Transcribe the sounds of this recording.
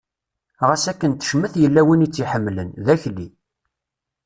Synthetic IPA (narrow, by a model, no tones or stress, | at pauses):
ʁəsækːənt̪ə̥ʃməθjəlːæwinit͡sːiħəmːlənðæçlːi